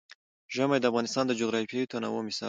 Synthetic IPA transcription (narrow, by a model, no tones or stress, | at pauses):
ʒəmajd̪əafɣɑnɪst̪ɑnd̪əd͡ʒoɣɾɑfjajut̪ana̰womɪsɑ̰